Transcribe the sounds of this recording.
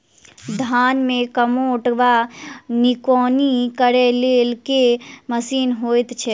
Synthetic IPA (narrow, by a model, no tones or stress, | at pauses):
d̪ʱanmekəmoʈʋanikɔnikəɾɛlelkeməsiːnɦojt̪t͡ʃʰɛ